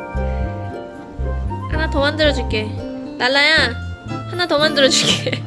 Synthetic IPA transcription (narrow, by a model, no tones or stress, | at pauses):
hanatʌmandɯɾʌd͡ʑuɭk͈e̞ | naɭːajahanatʌmandɯɾʌd͡ʑuɭk͈e